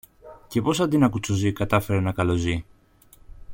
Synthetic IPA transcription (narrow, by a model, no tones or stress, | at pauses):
ce̞po̞sɐnd̪inɐkut͡sozikɐt̪ɐfe̞ɾenɐkɐlo̞zi